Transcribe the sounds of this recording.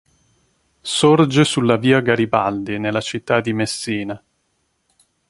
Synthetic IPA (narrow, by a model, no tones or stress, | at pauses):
sord͡ʒesulːaviːaɡaɾibald̪inelːat͡ʃit̪ːad̪ːimesːiːna